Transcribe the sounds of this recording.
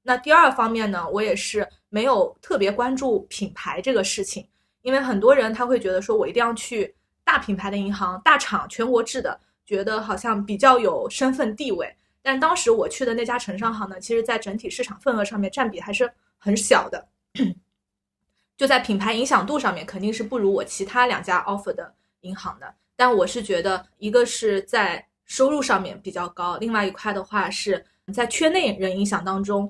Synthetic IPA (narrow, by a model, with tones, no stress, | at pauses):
na˥˧t̪i˥˧ɐ˞˥˩fɑ˥ŋmjɛ˥˩nnə˩wɔ˧˥jɛ˨˩ʂɻ̩˥˩ | me˧˥ɪjo˨˩ʊt̪ʰɤ˥˩pjɛ˧˥kwa˥nʈ͡ʂu˥˩pʰi˨˩npʰa˧˥ɪʈ͡ʂɤ˥˩ɡə˩ʂɻ̩˥˩t͡ɕʰi˨˩ŋ | i˥nwe˥˩ɪxə˨˩nt̪wɔ˥ɻə˧˥nt̪ʰa˥xwe˥˩ɪt͡ɕɥɛ˧˥d̪ə˧ʂwɔ˥wɔ˨˩i˧˥t̪i˧jt͡ɕʰy˥˧ | t̪a˥˩pʰi˨˩npʰa˧˥ɪd̪ə˧i˧˥xɑ˧˥ŋt̪a˥˩ʈ͡ʂʰɑ˨˩˦ŋt͡ɕʰɥɛ˧˥nkwɔ˧˥ʈ͡ʂɻ̩˥˩d̪ə̰˩ | t͡ɕɥɛ˧˥d̪ə˧xɑ˨˩ʊɕjɑ˥˩ŋpi˨˩t͡ɕjɑ˥˩ʊjo˨˩ʊʂə˥nfə˥˧nt̪i˥˧we˥˩ɪ | t̪a˥˧nʂ̩˥t̪ɑ˥ŋʂɻ̩˧˥wɔ˨˩t͡ɕʰy˥˩d̪ə˩na˥˩t͡ɕja˥ʈ͡ʂʰɤ˧˥ŋʂɑ˥ŋxɑ˧˥ŋnə˨t͡ɕʰi˧˥ʂɻ̩˧˥t͡sa˥˩ɪʈ͡ʂə˧˥ŋt̪ʰi˨˩ʂɻ̩˥˩ʈ͡ʂʰɑ˨˩ŋfə˥˩nɤ˧˥ʂɑ˥˧ŋmjɛ˥˧nʈ͡ʂa˥˩npi˨˩xa˧˥ɪʂɻ̩˥˩ | xə˧˥nɕjɑ˨˩ʊd̪ə˦ | t͡ɕjo˥˧ʊt͡sa˥˩ɪpʰi˨˩npʰa˧˥ɪi˧˥ŋɕjɑ˨˩ŋt̪u˥˧ʂɑ˥˧ŋmjɛ˥˩nkʰə˨˩nt̪i˥˧ŋʂɻ̩˥˧pu˥˩ɻu˧˥wɔ˨˩t͡ɕʰi˧˥t̪ʰa˥ljɑ̰˨˩ŋt͡ɕja˥ʔɑ˥fə˥˩d̪ə˩ | i˧˥ŋxɑ˧˥ŋd̪ə̰˧ | t̪a˥˩nwɔ˨˩ʂɻ̩˥˩t͡ɕɥɛ˧˥d̪ə˧ | i˧˥ɡə˧ʂɻ̩˥˩t͡sa˥˩ɪ | ʂo˥ʊɻu˥˧ʂɑ˥˧ŋmjɛ̰˥˩npi˨˩t͡ɕjɑ˥˩ʊkɑ˥ʊli˥˧ŋwa˥˩ɪi˧˥kʰwa˥˩ɪd̪ə˩xwa˥˧ʂɻ̩˥˩ | t͡sa˥˧ɪt͡ɕʰɥɛ˥˧ne˥˩ɪɻə˧˥ni˧˥ŋɕjɑ˨˩ŋt̪ɑ˥ŋʈ͡ʂʊ˥ŋ